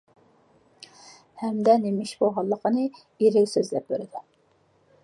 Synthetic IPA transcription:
hɛmd̪ɛnemɪʃboʁɑlˠːəqənɨ | iɾɪkʲsøzlɛp̚bøɾɪd̪ɪ

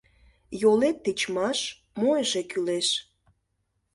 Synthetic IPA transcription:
jolet̪ːet͡ɕmɑʃ | mojəʒekyleʃ

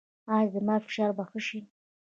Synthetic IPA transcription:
ɑzəmɑfɪ̥ʃɑɾbaxəʃi

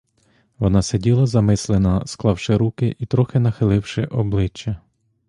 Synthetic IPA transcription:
ʋɔnɑsedʲilˠɐzɐmɪslˠenɐsklˠɑwʃɪɾukɪʔit̪ɾɔxɪnɐxɪlˠɪwʃɪʔɔblˠɪt͡ʃːɐ

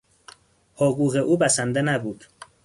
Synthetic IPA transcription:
hoɣuːɣeʔuːbæsænd̪enæbuːd̪̥

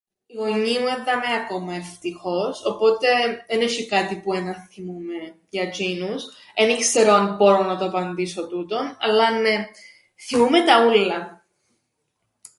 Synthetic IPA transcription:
iɣo̞ɲimueðːɐmeɐko̞mɐeft̪ixo̞so̞po̞t̪e̞ðeneʃikɐt̪ipuenɐnθimume | jɐd͡ʒinus | enikseɾo̞nboɾonɐt̪oɐpɐnd̪iso̞t̪ut̪o̞nɐ̰lːɐne | θimumet̪ɐulːɐ

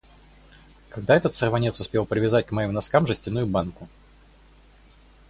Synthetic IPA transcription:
kɐɡ̚d̪aɛt̪ət̪sərvɐnʲe̞t̪sʊspʲe̞lˠpɾʲɪvʲɪzat̚ʲkmɐjimnɐskamʐɨsʲtʲɪnujʊbankʊ

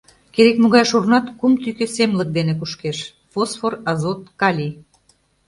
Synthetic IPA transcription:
keɾekmuɣɑjʃurnɑt̪kumt̪ykesemlək̚d̪enekuʃkeʃ | fosforɑzot̪̚kɑlʲi

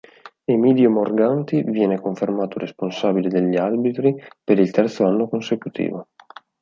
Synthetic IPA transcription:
emiːd̪jomorɡant̪ivjɛːnekoɱfermaːt̪oresponsaːbiled̪eʎːiarbit̪ɾipeɾilt̪ɛrt̪soanːokonsekut̪ʰḭːvo

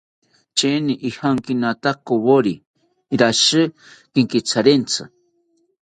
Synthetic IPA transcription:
t͡ʃeniʔihaŋkinat̪akoβoɾi | ɾaʃɨ | kiŋkit͡sʰaɾent͡sʰɨ̰

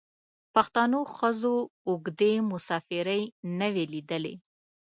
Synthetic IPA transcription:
paxt̪ɑnoxəzoːɡd̪emʊsɑfɪɾəjnəwelid̪əlḛ

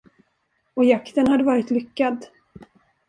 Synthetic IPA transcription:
ɔjakt̪ənhad̪ːəvɑːɾɪt̪lʏkːad̪

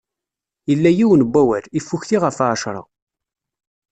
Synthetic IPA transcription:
jəlːæjiwənbʷːæwælifːuçθiʁəfaʕʃɾˤɑ̰

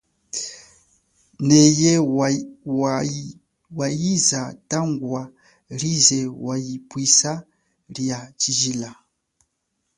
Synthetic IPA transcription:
nɛjɛ | wajizatʼaŋɡwa | ɾizɛwajipwisa | ɾijat͡ʃiʒila

